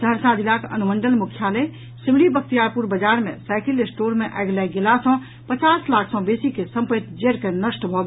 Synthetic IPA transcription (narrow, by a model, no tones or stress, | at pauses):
d̪ʱəɾsad̪ʱilakə̰numənɖəlmukʰjalə | simɽibək̚t̪ijaɾpuɾbəd͡ʒaːɾmḛ̃saɪkilɪsʈoːɾmẽʔa̰jɡlaɡelasɔ̃ | pət͡ʃaːslaːkʰsɔ̃besikesə̃mpəit̪d͡ʒeɾkenəsʈbʱɔɡ